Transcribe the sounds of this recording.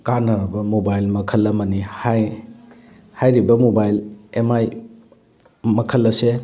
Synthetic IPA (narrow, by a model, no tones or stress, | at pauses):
kanɐɾɐbɐmobajlmɐkʰɐlːɐmɐnihaj | hajɾibɐmobajlemaj | mɐkʰɐlːɐse